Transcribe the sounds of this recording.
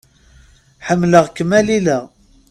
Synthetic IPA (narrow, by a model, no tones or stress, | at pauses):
ħəmːləʁkːəmːælilæʁ